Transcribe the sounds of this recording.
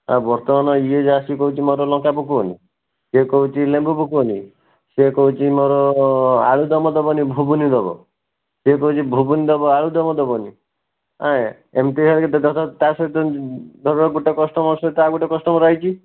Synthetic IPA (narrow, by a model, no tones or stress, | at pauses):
a̰bɔɾt̪ɔmanɔied͡ʒasikɔɦut͡ʃʰimɔɾɔlɔ̃ŋkapukonḭ | sekɔɦut͡ʃʰilẽmbupukoni | sekɔɦut͡ʃʰimɔɾɔa̰ɭud̪ɔmɔd̪ɔbɔnibʱubunid̪ɔbɔ̰ | sekɔɦut͡ʃʰibʱubunid̪ɔbɔaɭud̪ɔmɔd̪ɔbɔni | a̰ | emʈ̪iɦeɾkt̪d̪ʱɔt̪ʰɔt̪asɔit̪ɔd̪ʱɔɾɔɡuʈɔkɔsʈɔmɔsɔit̪ɔaɡuʈɔkɔsʈɔmɔɾɔɦit͡ʃʰi